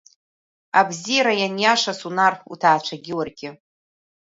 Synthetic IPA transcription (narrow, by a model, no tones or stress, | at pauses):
abzijaɾajanjaʂasunarχṵtʰaːt͡ʃʷʰaɡʲɪwarɡʲɪ